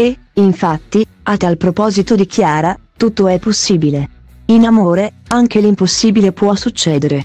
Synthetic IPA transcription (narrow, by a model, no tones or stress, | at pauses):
e | iɱfat̪ːi | at̪alpɾopɔːzit̪od̪ik̟ʰjaːɾat̪ut̪ːoɛpːosːiːbile | inamoːɾeaŋk̟elimposːiːbilepwɔsut͡ʃːɛːd̪eɾe